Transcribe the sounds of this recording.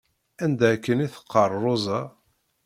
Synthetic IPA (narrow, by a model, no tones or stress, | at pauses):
ænd̪ækːəniθə̥qʰːərˤozˤɑ